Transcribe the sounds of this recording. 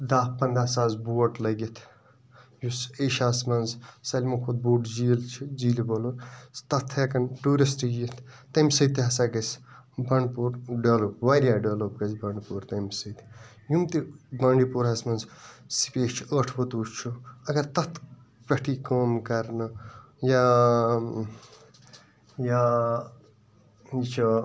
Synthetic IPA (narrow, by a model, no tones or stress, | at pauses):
d̪aːppɐnd̪aːsaːzbuːɐʈlɐɡit̪ʰ | juseːʃaːsmɐnzsɐlʲmɐkʰud̪̚buːʈd͡ʒiːlt͡ʃʰiziːliboluɾt̪ɐt̪ʰːekɐnʈuːɾɐsʈijit̪ʰt̪ɐmʲsɐt̪iɦɐsaːɡɐsbɐɳɖpuːɾɖɐːloːpʋaːɾʲjaːɖɐʋlop̚ɡɐzbɐɳɖpuːɾt̪ɐmʲsɐt̪ | jumt̪ibɐɳɖipuɾɦɐsmɐnzsi̥peːt͡ʃʰəʈʰbɐt̪ust͡ʃʰuɐɡɐɾt̪ɐt̪ʰ | pɐʈʰikoːmkɐɾnɐ | ja | ja | it͡ʃʰo